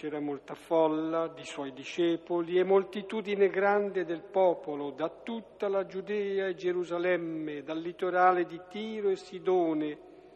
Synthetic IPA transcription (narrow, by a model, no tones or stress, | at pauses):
ɛːɾamolt̪afɔlːad̪iswɔjd̪iʃɛːpoliɛmːolt̪it̪uːd̪ineɡɾand̪ed̪elpɔːpolod̪at̪ːut̪ːalad͡ʒud̪ɛːaed͡ʒeɾuzalɛmːed̪alːit̪oɾaːled̪it̪iːɾoesːid̪ɔːne